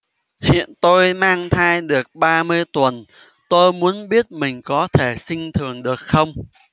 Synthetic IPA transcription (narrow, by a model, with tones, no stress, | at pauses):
hḭ˧˨ənt̪o˧jmaː˧ŋt̪ʰaː˧jɗɨ˨˩ək̚ɓaː˧mɨ˧əjt̪wə˨˩n | t̪o˧jmu˨˦ənɓi˦˥ət̚mï˨˩ŋ̟kɔ˨˦t̪ʰe˧˩sï˧ŋ̟t̪ʰɨ˨˩əŋɗɨ˨˩ək̚xə˧wŋ͡m